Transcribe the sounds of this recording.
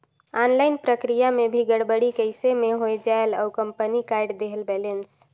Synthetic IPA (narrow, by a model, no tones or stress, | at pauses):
anlaɪnpɾəkɾijamebʱiɡəɽbəɽikəɪsemeɦoed͡ʒaelaʊkəmpənikaɪɖd̪eɦəlbɛlens